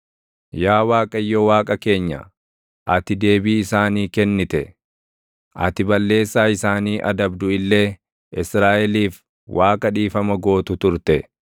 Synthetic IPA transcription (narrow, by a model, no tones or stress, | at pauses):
jaːwaːkʼɐjːɔwaːkʼɐke̞ːɲːɐ̰ | ʔɐt̪ɪd̪e̞ːbiːɪsaːniːkɛnːɪt̪ɛ | ʔɐ̰t̪ɪbɐlːe̞ːsːaːɪsaːniːʔɐd̪ɐbd̪ʊɪlːe̞ː | ʔɪsɾaːʔɛliːf | wʔaːkʼɐᶑiːfɐmɐɡo̞ːt̪ʊt̪ʊɾt̪ɛ